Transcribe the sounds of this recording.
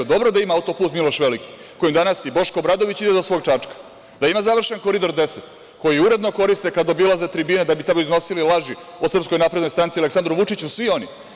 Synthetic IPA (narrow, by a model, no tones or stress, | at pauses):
ed̪o̞bɾod̪aimaaut̪opuːt̪milˠoʃʋeliki̥ | kojimd̪anasibo̞ʃko̞bɾad̪o̞ʋit͡ɕid̪ed̪osʋo̞ːɡt͡ʃat͡ʂkḁ | d̪aimazaʋr̩ʃenkoɾid̪o̞ɾd̪e̞set̪ | ko̞jiuɾe̞d̪no̞ko̞ɾist̪e̞kad̪o̞bilˠazet̪ɾibiːned̪abit̪amoizno̞sililˠaʒi | osr̩psko̞jnaːpɾed̪nojst̪ɾant̪sialeksand̪ɾuʋut͡ʂit͡ɕusʋio̞ni